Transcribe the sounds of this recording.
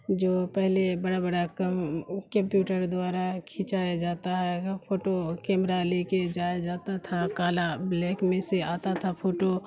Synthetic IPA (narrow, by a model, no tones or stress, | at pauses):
d͡ʒoːpɛɦlebəɽabəɽakkə̃mpjuːʈəɾd̪waːɾakʰɪt͡ʃaːjad͡ʒaːt̪aɦɛpʰoːʈokɛːmɾaleːked͡ʒaːjad͡ʒaːt̪at̪ʰakaːlableːkmẽseaːt̪at̪ʰapʰoːʈo